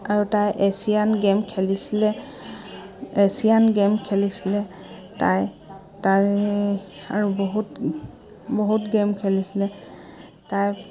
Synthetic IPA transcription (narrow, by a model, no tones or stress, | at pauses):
aɹutajʔesianɡemkʰelisilɛ | esijanɡemkʰelisilɛ | ta̰j | taj | aɹuboɦut | boɦutɡemkʰɛlisilɛ | taj